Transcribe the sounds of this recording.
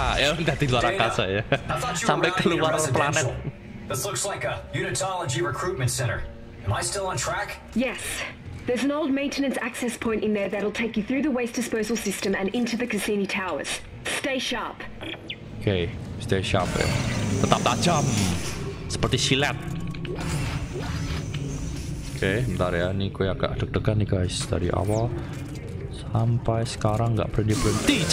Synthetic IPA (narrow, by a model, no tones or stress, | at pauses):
ʔõnd̪at̪izwaɾakasəjɛsãmbek̪əluwaɾɔəplanɛ | ðɪslʊkslaɪkəjʉnɨtʰɑlˠəd͡ʒiɹɨkʰɹ̥ʉt̚mɨ̃ntsɛ̃ɾ̃ə̰˞ | ɨ̃maɪstɪlˠə̃n̩tʰɹ̥æk | jɛsðə˞zɨ̃noʊlˠd̚mẽɪ̃ntɨnɨ̃nsæksɛspʰɔ̃ɪ̃ntɨ̃nðə˞ðɨɾl̩ˠtʰeɪkjɨθɹʉðəweɪsd̥ɨspoʊzl̩ˠsɪstɨ̃mɨ̃nɪ̃ntʉðɨkɨsĩnitʰaʊə̰˞z̥ | steɪʃɑɹp | okʰest̪eʃapja̰t̪ət̪ap̚t̪ḁd͡ʒ̥am | sə̥pərt̪isilɛt̪̚ | okʰesəmənt̪aɾjainikueaɡ̥a̰ʔd̪̥ək̚d̥əkaniɡajsd̪̥aɾiʔa̰wal | sampajsə̥kaɾaŋŋɡa̰ʔpɾɪnd̪ibɾɪnt̪i